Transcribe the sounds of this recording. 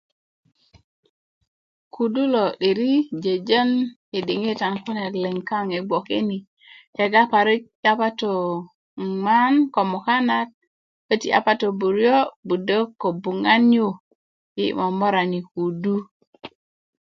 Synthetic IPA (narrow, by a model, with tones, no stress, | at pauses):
ku˨du˦lo˨ɗi˨ɾi˦d͡ʒe˨d͡ʒə˦n | e˨di˨ŋe˦ta˨nku˦ne˨tle˨ŋka˦ŋe˨ɡ͡bʷo˨ke˦ni˨ | he˨ɡa˦pa˨ɾi˦k̚a˦pa˦to˨ | ma˦nko˨mo˨ka˦na˦t̚ | kə˦tḭ˨ʔa̰˨pa˦to˨bu˨ɾjo˦bu˨də˦ko˨bu˨ŋa˦nju˦ | jḭ˦mo˨mo˦ɾa˨ni˨ku˨du˦